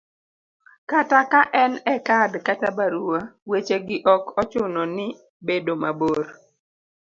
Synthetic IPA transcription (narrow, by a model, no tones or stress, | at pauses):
katakaʔɛnɛkadkatabaɾuawet͡ʃeɡɪʔɔkɔt͡ʃʊnɔnɪ | bedomaboɾ